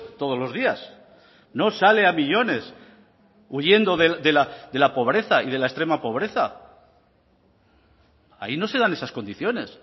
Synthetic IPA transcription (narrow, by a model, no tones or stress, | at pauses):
t̪o̞ð̞o̞zlo̞zðias | no̞sale̞amiʎo̞ne̞s | uʝe̞nd̪o̞ðeðe̞lad̪e̞lapo̞β̞ɾe̞θaið̞elaest̪ɾe̞mapo̞β̞ɾe̞θa | a̰ino̞se̞ðane̞sasko̞nd̪iθjo̞ne̞s